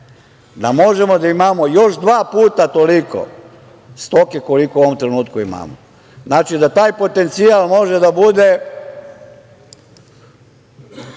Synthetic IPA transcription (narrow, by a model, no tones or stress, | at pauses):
d̪amo̞ʒemo̞d̪aimaːmo̞jo̞ʃd̪ʋaːpuːt̪at̪o̞liko̞̰ | st̪o̞keko̞likouo̞ʋomt̪ɾe̞nuːt̪kuima̰ːmo̰ | znaːt͡ʃid̪at̪aːjpo̞t̪e̞nt̪siaːlˠmo̞ʒed̪abud̪e̞